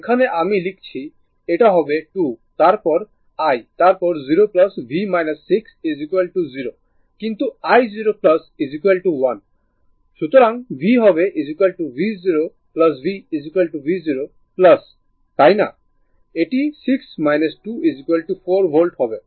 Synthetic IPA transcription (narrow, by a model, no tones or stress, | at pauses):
ekʰaneʔamilikʰt͡ɕʰi | eʈaɦɔbeʈut̪aɾpɔɾ | ajt̪aɾpɔɾziɾoplʌsbʱimajnɐsːiksizikuelʈuziɾo | kint̪uajziɾoplɐsizikuelʈuwan | ʃut̪oɾaŋbʱiɦɔβeʔizikuelʈubiziɾo | plɐs̬biːzikuelʈubiziɾo | plɐs | t̪ajna̰ | eʈisiksmajnɐsʈuizikuelʈupʰoɾbʱolɖhɔbe